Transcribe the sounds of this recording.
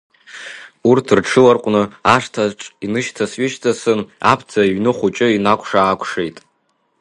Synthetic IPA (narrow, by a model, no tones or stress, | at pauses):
urtʰrʈ͡ʂʰɨlarqʷʼnɨaʂtʰaʈ͡ʂʼinɨʃtʰasɥɪʃtʰasɨna̰pʰt͡sʰaiɥnɨχʷut͡ʃʼɪinakʷʰʼʂaːkʷʰʂejtʼ